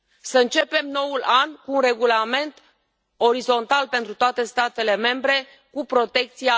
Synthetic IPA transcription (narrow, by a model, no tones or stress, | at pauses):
səɨnt͡ʃe̞pe̞mno̞ulankuːnre̞ɡulame̞nt̪ | o̞ɾizo̞nt̪alpe̞nt̪ɾut̪oat̪e̞st̪at̪e̞le̞me̞mbɾe̞ | kupɾo̞t̪e̞k̚t̪sia